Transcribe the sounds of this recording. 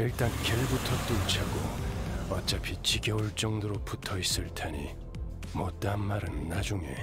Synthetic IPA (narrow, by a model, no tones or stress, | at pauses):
iɭt͈ankeɭbutʰʌt͈uŋt͡ɕʰaɡo̰ʌt͡ɕ͈apʰit͡ɕiɡjʌuɭt͡ɕ͈ʌŋdoɾoputʰʌis͈ɯɭtʰaɲḭ | mot͈anmaɾɯnːad͡ʑuŋe̞̰